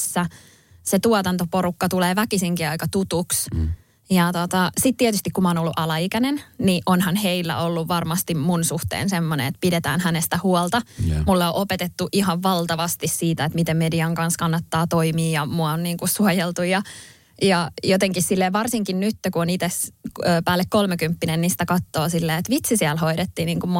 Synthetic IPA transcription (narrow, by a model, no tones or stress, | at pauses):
sːæ | set̪uɔt̪ɑnt̪oporukːɑt̪uleːʋækisiŋkiɑikɑt̪ut̪uks | jɑt̪ot̪ɑsit̪t̪iɛt̪yst̪ikumɑoːnolːuʔɑlɑikænenniʔonhɑnheilːæ̰ʔolːuʋʋɑrmɑst̪immunsuht̪ḛːnsemːonḛet̪̚pidet̪æ̰ːnhænest̪æhuolt̪ɑmulːeoʔopet̪et̪ːuʔihɑʋʋɑlt̪ɑʋɑst̪issiːt̪æet̪mit̪emmediɑŋkɑnskɑnːɑt̪ːɑːt̪oimiːjɑmuɑonniːŋkussuojelt̪ujɑ | jɑjot̪eŋkissilːeːʋɑrsiŋkinnyt̪ːekuonit̪esøːpæːlːekkolmekympːinennisi̥t̪ækɑt̪ːoːsilːeːet̪ʋit̪sisiælhoiɾet̪ːiːniːŋkumm